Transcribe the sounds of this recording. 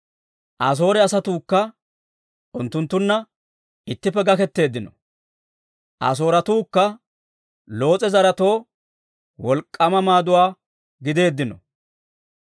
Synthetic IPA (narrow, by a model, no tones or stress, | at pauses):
ʔɐs̬o̞ːɾɛɐsɐt̪uːkːɐ | ʔʊnt̪ːʊnt̪ːʊnːɐ | ɪt̪ːɪpːɛɡɐkɛt̪ːe̞ːd̪ːɪnɔ | ʔɐ̰s̬o̞ːɾɐt̪uːkːɐ | lo̞ːt͡sʼɛzɐɾɐt̪o̞ː | wɔlkʼːɐmɐmaːd̪ʊwaː | ɡɪd̪e̞ːd̪ːɪnɔ̰